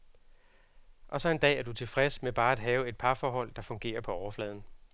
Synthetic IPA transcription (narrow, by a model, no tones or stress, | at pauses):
ʔɒ̽sɒ̽e̝nd̥ɛ̰ːæɐd̥ut͡sʰe̝lfʁɛsmeb̥ɑ̈ːæd̥ɦɛːʊe̝d̥̚pʰɑ̈fɒːɦɒ̽l̰d̥ɑ̈fɔ̽ŋɡ̥e̝̰ːɐpʰɒ̽ɒʊɐflɛːð̞ˠn̩